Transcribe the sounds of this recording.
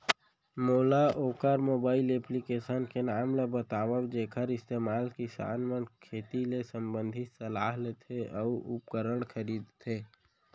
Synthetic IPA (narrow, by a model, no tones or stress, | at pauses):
moːlaʔoːkaɾmoːbaːɪleplikeːʃənkenaːmlebət̪aːwəwd͡ʒeːkʰəɾɪst̪eːmaːlkisa̰ːnmənkʰeːt̪ilesəmbə̃nd̪ʱɪt̪səlaːɦlet̪ʰeɔʊpkəɾəɽ̃kʰəɾiːd̪t̪ʰeː